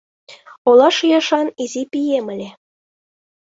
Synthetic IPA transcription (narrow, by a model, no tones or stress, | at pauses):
olˠɑʃjɑʃɑnizʲipʲijemɘ̆lʲe